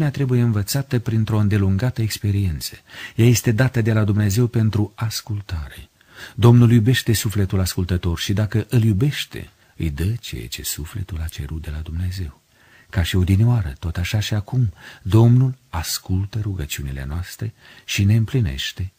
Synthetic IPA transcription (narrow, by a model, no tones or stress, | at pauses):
neat̪ɾe̞buje̞ɨnvət̪sat̪əpɾint̪ɾo̞ɨnd̪e̞luŋɡat̪əekspe̞ɾie̞nt̪sə̥jaje̞st̪e̞d̪at̪əd̪e̞lad̪umne̞ze̞wpe̞nt̪ɾuaskult̪aɾe̞ | d̪o̞mnuljube̞ʃt̪e̞sufle̞t̪ulaskult̪ət̪o̞rʃid̪akəʔɨljube̞ʃt̪e̞̰ | ɨjd̪ət͡ʃḛjḛt͡ʃe̞̰sufle̞t̪ulat͡ʃe̞̰ɾut̪̚d̪e̞lad̪umne̞ze̞w | kaʃio̞d̪ineoaɾət̪o̞t̪aʃaʃiakumd̪o̞mnul | askult̪əɾuɡət͡ʃiunile̞̰noast̪ɾe̞ | ʃine̞ɨmpline̞̰ʃt̪e̞